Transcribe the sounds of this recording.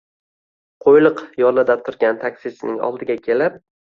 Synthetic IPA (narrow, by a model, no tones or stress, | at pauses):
qʰojlˠɨqjɒɾlad̪at̪ʰʊɾɡʲant̪ʰakʲsɪsɪnɪŋɒ̰lˠd̪ɪɡʲakʲʰe̞lɪp̚